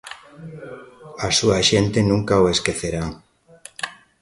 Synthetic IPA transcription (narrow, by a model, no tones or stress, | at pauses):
asuaʃent̪enũŋkaoeskeθeɾa